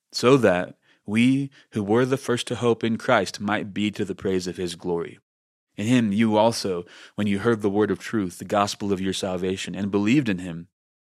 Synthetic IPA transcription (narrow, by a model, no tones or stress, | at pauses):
soʊðɨt̚ | wi | huwə˞ðɨfɜ˞stʰɨhoʊpɨ̃nkʰɹ̥aɪstmaɪt̚b̥iɾɨðɨpʰɹ̥eɪzʌv̥ɨzɡlɔɹḭ | ɨ̃nɪ̃mjɨɔlˠsoʊwɨ̃njɨɦɜ˞d̪̚ðəwɜ˞ɾʌv̥tʰɹ̥ʉθðɨɡɑspl̩ˠʌvjə˞sælˠveɪʃɨ̃nɨ̃nbəlivdɨ̃nɪ̃m